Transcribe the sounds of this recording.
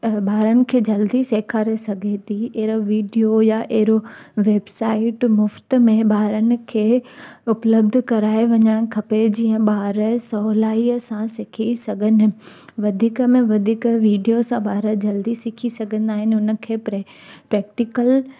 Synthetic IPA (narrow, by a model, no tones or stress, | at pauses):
ɓaːɾənɪ̆kʰeːd͡ʑɐld̪iseːkʰaːɾesɐɡʱet̪ʰieɦɾoʋiːɖijojaʔeɦɪɾo | ʋeːbsaːɪʈmʊft̪mẽɓaːɾənɪ̆kʰeːʊpləb̚d̪ʱkɐɾaːeʋɐɲəɽ̃kʰɐped͡ʑiːə̃ɓaːɾəsɔɦlaːiəsãsɪkʰisɐɡʱənɪ̆ | ʋɐd̪ʱiːkəmẽʋɐd̪ʱiːkʋiːɖijosãɓaːɾəd͡ʑɐld̪isɪkʰisɐɡʱə̃nd̪aːɦɪnɪʊnə̆kʰeːpɾe | pɾɛːk̚ʈɪkəl